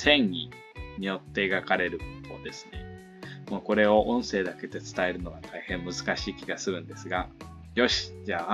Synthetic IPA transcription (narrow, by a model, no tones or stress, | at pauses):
sẽ̞ɲɲḭ | ɲ̟ijo̞t̪ːe̞ːɡakaɾe̞ɾɯ̟bokːo̞̰d̪e̞sɨ̥ne̞ | moːko̞ɾe̞o̞ʔõ̞ɰ̃se̞ːd̪ake̞d̪e̞t͡sɨ̥t̪ae̞ɾɯ̟no̞βat̪ʰaihẽ̞mːɯ̟zɨkaɕiːkʲiɡasɨɾɯ̟̃nd̪e̞sɨɡa | jo̞ɕi̥d͡ʑaː